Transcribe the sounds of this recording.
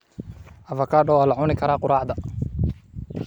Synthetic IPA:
ʔɐvɐkʰaːɖɔwaːlɐʕʊnɪkʰɐɾaːqʊɾaːʕd̪ɐ

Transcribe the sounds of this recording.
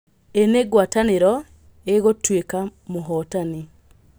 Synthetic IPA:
eneɡwataneɾɔ | eɣotwekamoɦɔtani

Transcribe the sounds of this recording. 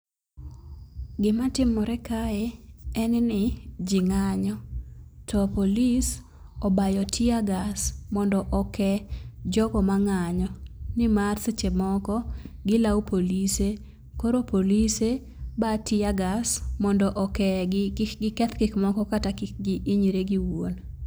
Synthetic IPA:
ɡɪmatɪmːɔɾɛkaeɛnnɪd͡ʒɪŋaɲɔtʰɔpolis | ɔbajɔtʰɪaɡasmɔndɔʔɔkɛd͡ʒɔkɔmaŋaɲɔnɪmarst͡ʃemɔkɔɡɪlawpʰolise | koɾopolise | batɪaɡasmɔndɔʔɔkɛɡɪkɛt̪kɪkmɔkɔkatakɪkɡɪʔɪɲiɾeɡɪwon

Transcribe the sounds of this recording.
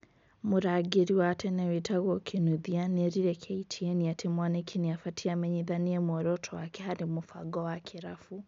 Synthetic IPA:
mʊɾaɡiɾiwatʰɛnɛwitʰaɣɔkʰinuðianɛɾiɾɛkʰɛitʰiɛniatʰimwanɛkʰiniafatʰiamɛɲiðaniɛmwɔɾɔtʰɔwakɛɦaɾimʊfa̰ɡɔwakʰiɾafu

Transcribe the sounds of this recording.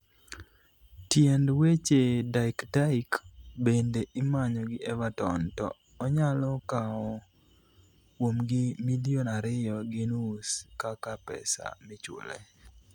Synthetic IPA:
tjɛndwet͡ʃedakdaikbendeʔɪmaɲɔɡɪʔɛvatɔntɔ̰ː | ɲalɔkaɔ | womɡɪmilionaɾɪjɔɡinuskakapɛ̰sa̰mɪt͡ʃʊ̰lḛ

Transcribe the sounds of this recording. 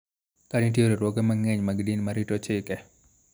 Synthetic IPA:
kanitioɾeɾwɔɡɛmaŋɛɲmaɡdinmaɾitot͡ʃɪkɛ

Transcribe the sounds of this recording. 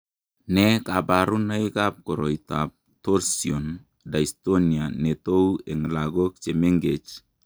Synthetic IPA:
nɛkabaɾunaikap̚koɾoitap̚ | toɾsion | daistonianetoweŋlaɡok̚t͡ʃemeŋɡet͡ʃ

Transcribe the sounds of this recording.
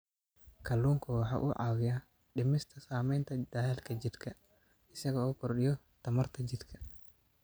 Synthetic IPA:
kʰɐlːuːŋkʰɐwɑħɑ̰ːʔuʕɑːwɪja | ɗɪmɪst̪ʰɐsaːmɛjnt̪ʰɐd̪̥ɐjɛːlkʰɐd͡ʒɪd̪kʰɐ | ɪsɐɣɐɔːkʰʊrɗɪjɔ | t̪ʰɐmɐrt̪ʰɐd͡ʒɪd̪kʰɐ

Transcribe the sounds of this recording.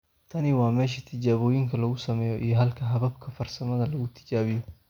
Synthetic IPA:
t̪ʰɐnɪwɑːmɛːʃ̬ɐt̪ʰɪd͡ʒaːβoːjɪŋkʰɐlɐɣʊsɐmɛːjɔʔijɔɦɐlkʰɐɦɐβɐb̚kʰɐfɐrsɐmɐðɐlɐɣʊt̪ʰɪ̥d͡ʒaːβɪjɔ

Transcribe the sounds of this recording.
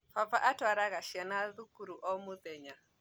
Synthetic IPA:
favaʔatwaɾaɣaʃianaðukuɾuʔɔmuðɛɲa

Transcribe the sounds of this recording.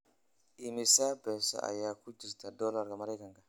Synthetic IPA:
imisabɛsa̰ʔa̰jakud͡ʒisitadɔlaɾkamaɾaikãŋkḁ

